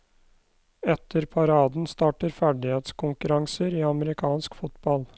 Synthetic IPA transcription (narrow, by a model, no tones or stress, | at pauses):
ɛt̪ʰəɾpʰɑɾɑːd̪n̩st̪ɑːʈəɾfæɖɪheːt̪skʰʊŋkʉɾɑŋsəɾiːɑməɾɪkʰɑːnskfʊt̪bɑl